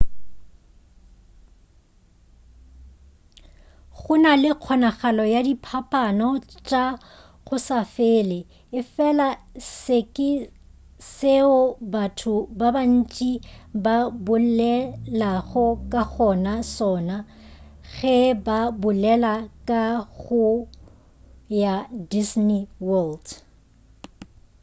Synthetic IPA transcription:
χʊnalɪq͡χʰɔnaχalɔjadipʰapʼanɔt͡ʃʼa | ɣʊsafeɪːlɪ | ɪfɛlasɪkʼɪ | seʊbatʰʊbaban̩t͡ʃʼibabʊlɛlaɣɔkʼaɣɔnasɔːna | ɣɛbabʊlɛlakʼaɣʊ | jadisniwɔld

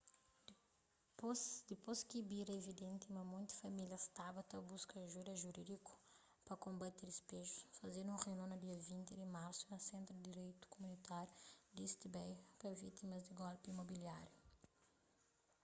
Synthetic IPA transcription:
pd̪ɪposkibiɾɐevid̪ẽnt̪imɐmũj̃t̪ɐ̥fɐmiljɐst̪abɐt̪ɐbuskɐʒuɾɐʒuɾid̪ikʊ̥ | pɐkõmbat̪eɾispeʒusfɐzeɾũʁenõnɐd̪iɐvĩnt̪ɪd̪ɪmaɾsuɐ̃sẽnt̪ɾud̪iɾejt̪u̥komũnit̪aɾjud̪est̪ibɛjpɐvit̪imɐzd̪ɪɡɔlpimobiljaɾju

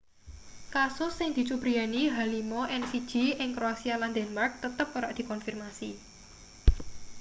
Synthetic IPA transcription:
kasʊsːɪŋd̪̥i̤t͡ʃubɾianiɦalimɔʔɛnsid̥ʒ̥i̤ɪŋkɾoasialand̪ɛnmark̚t̪ət̪əp̚oɾaʔd̪̥i̤kɔnfirmasi

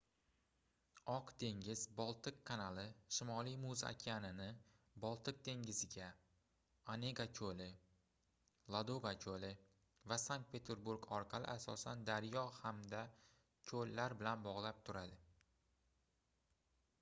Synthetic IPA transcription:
ɒqd̪̥e̞ŋɡʲɪzbɒlˠt̪ʰɨkkʰːanalɪʃɪmɒlijmuza̰kʲʰanɪnɪ | bɒlˠt̪ʰɨq̚d̪ʰe̞ŋɡʲɪzɪɡʲa | ane̞ɡakʲʰolɪ | lˠad̪oɡakʰolɪ | vasaŋk̚t̪̚pʰe̞t̪ʰe̞ɾbuɾɡɒɾqʰɑlɪ̰ʔasɒ̰sand̪aɾjɒhamd̪a | kʲʰolːaɾbɪlanbɒʁlˠap̚t̪ʰʊɾad̪ɪ

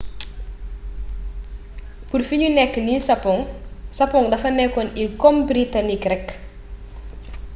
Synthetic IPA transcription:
purfiɲunɛkːənisɐpɔŋsɐpɔŋdɐfɐnɛkːɔnikombɾitanikrɛkː

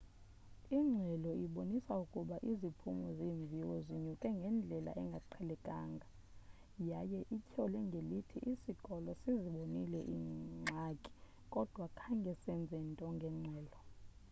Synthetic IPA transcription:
iŋ͡ǁʱɛlɔiɓonisaukʼuɓaʔizipʰumɔziːɱb̪vʱiwɔziɲukʼɛŋɡʱɛnd͡ɮʱɛla̰ʔɛŋɡʱaǃʰɛlɛkʼa̰ːŋɡʱa | jajɛʔicʰɔlɛŋɡʱelitʰiʔisiɡ̥ʼɔlɔsiziɓonilɛ̰ʔḭŋ͡ǁʱakʼi̥ | kʼɔd̥ʱwakʰaŋɡʱɛsɛnd͡zʱɛntʼɔŋɡʱɛŋ͡ǁʱɛːlɔ

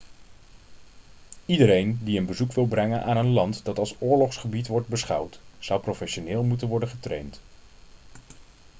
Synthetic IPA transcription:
idəɾejndiənbəzukʋɪlˠbrɛŋənʔa̰ːnənlɑntdɑtɑlˠsʊːɹlɔχsχəbitʋɔɹd̚bəsχɑ̰wtsʌwprofɛʃonɪːlˠmutənʋɔɹdəχətrḛjnt

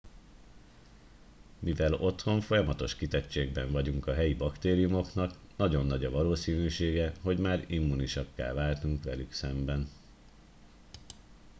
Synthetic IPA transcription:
mivɛlo̞t̪ho̞ɱfo̞jɒmɒt̪o̞ʃkit̪ɛt͡ʃːeːɡbɛɱvɒɟuŋkɒɦɛjibɒkt̪eːɾijumo̞knɒk | nɒɟo̞nːɒɟɒvɒloːsiːnyːʃeːɡɛɦo̞ɟmaːɾimːuniʃɒkːɛ̰lvaːlt̪uŋkʋɛ̰lyksɛmbɛn

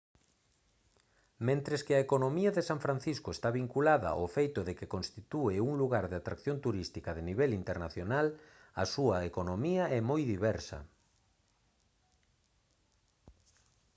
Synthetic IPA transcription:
mẽnt̪ɾeskɪɐekonomiɐðesaɱfɾan̟θiskoest̪aβiŋkulaðɐ̰ʔofejt̪ʊðekekõnst̪it̪ueuŋluɣaɾðeat̪ɾakθjont̪uɾist̪ikɐðeniβɛlint̪eɾnaθjonal | ɐsuɐekonomiɐɛmojðiβɛɾsɐ̰

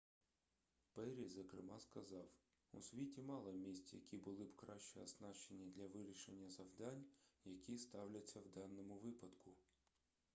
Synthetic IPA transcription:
pɛɾʲizɐkɾɪmɑskɐzɑw | ṵsʲʋʲitʲimɑlˠɪmʲisʲt͡sʲɐjɐkʲibʊlˠɪbkɾɑʃt͡ʃɛɐznɑʃt͡ʃenʲːid̪ʲlʲɐʋɪɾʲiʃenʲːɐzɐwd̪ɑnʲjɐkʲist̪ɑwlʲɐt͡sʲːɐwd̪ɑnːɔmʊʋɪpɐd̪kʊ

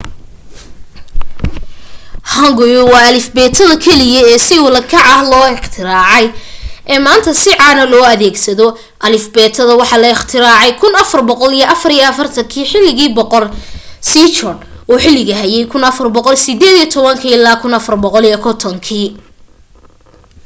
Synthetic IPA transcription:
hɐŋɡʊjɔwɑːɐlɪfbɛːt̪ʰɐðɐkʰɛlɪjɐɛːsɪwʊlɐkʰɑʕɑhlɔːɪχt̪ʰɪɾaːʕɑjʔɛːmaːnt̪ʰɐsɪʕɑːnɐlɔːɐðɛːɡsɐðɔ | ʔɐlɪfbɛːt̪ʰɐðɐwɑħɑlɐɪχt̪ʰɪɾaːʕɑjkʰʊnɐfɐrbɔqɔlijɐʔɐfɐɾijɐɐfɐrt̪ʰɐŋkʰiːħɪlːɪɣiːbɔqɔrsiːt͡ʃɔrdʔuːħɪlːɪɣɐɦɐjɛjkʰʊnɐfɐrbɔqɔlsɪd̪ɛːðijɐt̪ʰɔβɐŋkʰiːɪlːaːkʰʊnɐfɐrbɔqɔlijɐkʰɔt̪ʰɔŋkʰiː

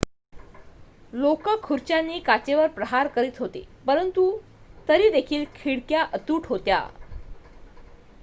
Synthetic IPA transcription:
lokəkʰːuɾt͡ɕjanːiːkat͡ɕeʋəɾpɾəɦaɾkəɾiːt̪ɦot̪ḛpəɾənt̪u | t̪əɾiːd̪ekʰiːlkʰiɽkjaʔət̪uːʈʰɦot̪ja̰

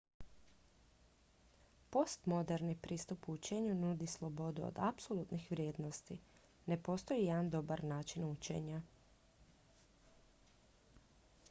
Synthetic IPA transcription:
po̞st̪mo̞d̪e̞ɾnipɾʔiːst̪upuut͡ʃe̞ɲunud̪islˠo̞bo̞d̪uo̰d̪apso̞lˠuːt̪nixʋɾʲjeːd̪nost̪i | ne̞po̞ːst̪o̞jijɛd̪and̪o̞baɾnaːt͡ʃinut͡ʃe̞̰ɲa

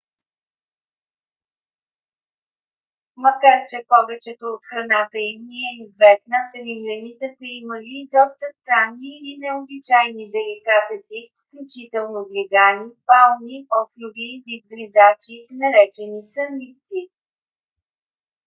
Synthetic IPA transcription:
mɐkaɾt͡ʃɛpɔvɛt͡ʃɛt̪oːt̪xɾɐnat̪əimniɛizvɛsnəvimlʲɛnit̪ɛsəiməlid̪ɔst̪əst̪ɾanːiːnɛobit͡ʃajnid̪ɛlikat̪əsifklʲʊt͡ʃit̪ɛlˠnoɡlʲɛɡanipalˠniɔflʲʊvivid̪̚blizat͡ʃinɐɾɛt͡ʃɛnisəmːit̪t̪si

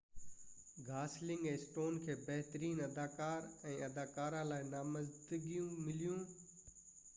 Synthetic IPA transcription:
ɡaːslɪ̃ŋɡɛ̃ːsʈoːnkʰeːbɐɦt̪əɾiːnɐd̪aːkaːɾɛ̃ːʔɐd̪aːkaːɾãlaːɪnaːmɐzd̪əɡijũmɪlijũː

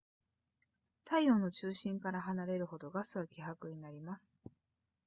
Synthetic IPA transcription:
t̪aio̞no̞t͡ɕɨːɕĩŋkaɾaɦanaɾe̞ɾɯ̟ho̞d̪o̞ɡasɨβakʲiɦakɯ̟ɲ̟inaɾʲimasɨ̥

